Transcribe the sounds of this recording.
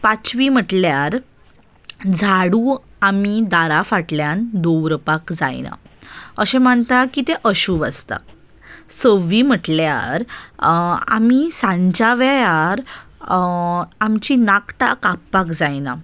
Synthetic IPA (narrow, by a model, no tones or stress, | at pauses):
pat͡sʋim̤əʈljaɾ | d͡zʱaɽu | amid̪aɾafaʈljand̪oʋɾpakd͡za̰jna̰əɕẽm̤əɳt̪akit̪eʔəɕuːbast̪a̰ | səʋim̤əʈlja̰ɾ | a̰misãɲd͡ʑaʋajaɾ | amt͡ɕinakʈa̰kapːakd͡zajna